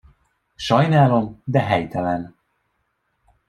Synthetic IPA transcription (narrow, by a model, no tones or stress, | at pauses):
ʃɒjnaːlo̞md̪ɛɦɛjt̪ɛlɛn